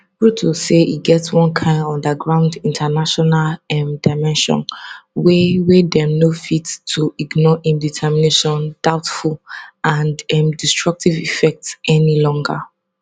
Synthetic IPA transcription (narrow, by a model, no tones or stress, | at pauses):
bɹutʰoseʔḭɡɛtswɔ̃nkʰãɪ̃nɔ̃ndəɡɹãʊ̃ndĩntʰanaʃɔnalɛ̃mdaɪmɛ̃nʃɔ̰̃nwewedɛnofitːʰuiɡnɔʔĩmditʰɛmineʃɔ̃nd̥aʊtfulãndɛ̃mdistɹʌk̚tʰivifɛk̚tsɛnilɔ̃ŋɡə̰